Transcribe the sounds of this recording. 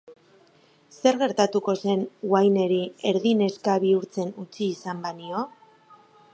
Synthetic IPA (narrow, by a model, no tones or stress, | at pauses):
se̞ɾɣe̞ɾt̪at̪uko̞se̞nwajne̞ɾie̞ɾðine̞skaβiuɾt͡se̞nut͡siːsambanio̞